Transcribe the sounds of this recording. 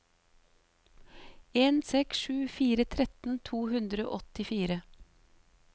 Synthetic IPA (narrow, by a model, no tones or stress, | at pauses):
eːnsɛksʃʉːfiːɾət̪ʰɾɛt̪n̩t̪ʰuːhʉnd̪ɾəo̰ʔɔt̪ɪfiːɾə